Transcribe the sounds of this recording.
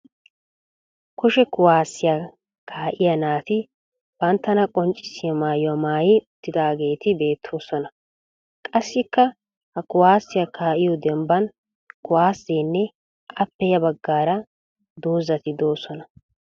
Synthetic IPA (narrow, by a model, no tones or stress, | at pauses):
kʊʃɛkʊwaːsːɪja | kʰaːʔɪjɐnaːt̪ɪ | b̥ɐnt̪ːɐnɐkʼɔnt͡ʃʼːɪsɪjɐmaːjʊwɐmaːjɪʊt̪ːɪd̪aːɡe̞ːt̪ɪbe̞ːt̪ʰːo̞ːsɔnɐ | kʼɐsːɪkːɐ | hɐkʊwaːsːɪjɐkʰaːʔɪjɔd̪ɛmbɐn | kʊwaːsːeːnːɛ | ʔɐpːɛjɐbɐɡːaːɾɐ | d̪o̞ːzɐt̪ɪd̪o̞ːsɔnɐ